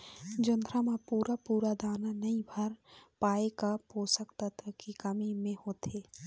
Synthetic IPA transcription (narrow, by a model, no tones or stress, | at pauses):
d͡ʒənd̪ɾamapuːɾapuːɾad̪aːnanɐĩbʱɐɾpaːekapoːsəkt̪at̪ʰakikɐmimẽhoːt̪ʰeː